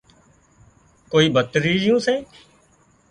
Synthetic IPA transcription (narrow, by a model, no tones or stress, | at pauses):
koːiːbʱət̪ɾiːd͡ʒɪjũːsẽː